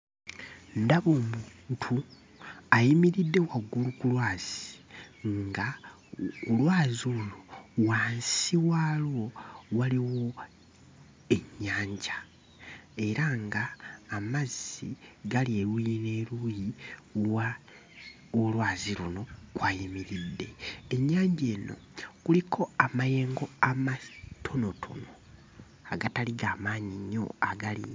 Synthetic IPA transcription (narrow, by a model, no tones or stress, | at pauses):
ndaβoːmuntʰu | ajimiɾidːe̞waɡulukulwaːz̥iŋŋɡa | ulwaːzulowaːnsiwaːlwo̞waliwo̞ | e̞ɲːaːɲɟḁ | e̞ɾaŋɡaːmaziɡalieɾujine̞ːɾuːjiwa | olwaːziluno̞kwaːjimiɾid̪ːe̞eɲːaːɲɟe̞ːno̞̰kulikʰo̞amaje̞ːŋɡo̞amatʰo̞no̞tʰo̞̰no̞ | aɡataliɡaːmaːɲiɲːo̞̰aɡalḭ